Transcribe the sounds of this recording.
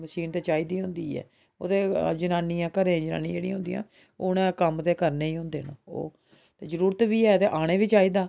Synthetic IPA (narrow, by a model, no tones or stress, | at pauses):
məʃiːnt̪eːt͡ʃaːiːd̪iːɦʊ̃nd̪iːɛ̰ː | o̰ːd̪eːd͡ʒənaːniːãːkəɾẽːd͡ʒəna̰ːnĩːd͡ʒeːɽĩɦʊ̃nd̪iːã̰ː | ʊnẽːkəmt̪eːkəɾneːĩːɦʊ̃nd̪ḛːno̰o̰ː | t̪eːzəɾuːɾət̪ʋiːɛːt̪eːʔaːɽ̃eːʋiːt͡ʃaːiːd̪aː